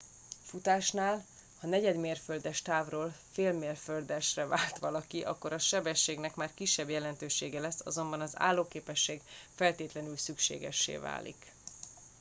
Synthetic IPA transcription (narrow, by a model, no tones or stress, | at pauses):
fut̪aːʃnaːl | hɒnɛɟɛd̪meːrføld̪ɛʃt̪aːvroːlfeːlmeːrføld̪ɛʃrɛvaːlt̪ʋɒlɒkiʔɒ̰kːo̞ɾɒʃɛbɛʃːeːɡn̪ɛkmaːrkiʃːɛbjɛlɛnt̪øːʃeːɡɛlɛsːɒ̰zo̞mbɒnɒza̰ːlːoːkeːpɛʃːeːɡfɛlt̪eːt̪lɛn̪ylsykʃḛːɡɛ̰ʃːḛːva̰ːlḭk